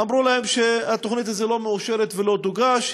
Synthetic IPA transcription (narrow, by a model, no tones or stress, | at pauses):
amʁulahemʃeat̪o̞χnit̪hazelo̞meuʃe̞ɾet̪velo̞d̪uɡaʃ